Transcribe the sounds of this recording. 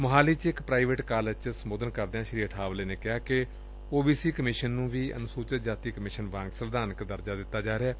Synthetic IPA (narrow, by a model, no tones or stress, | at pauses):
məɦaːliːt͡ʃɪkpɾaːiʋeːʈkaːləd͡ʒt͡ʃsəmoːd̪ənkəɾd̪eãːʃɾiːəʈʰaːʋleːneːkɪɦaːkɪ | oːbiːsiːkəmɪʃənːũːʋiːə̰nʊsuːt͡ʃət̪̚d͡ʒaːt̪iːkəmɪʃənʋãːŋɡsəɾd̪aːnəkd̪əɾd͡ʒaːd̪ɪt̪ːaːd͡ʒaːɾeaː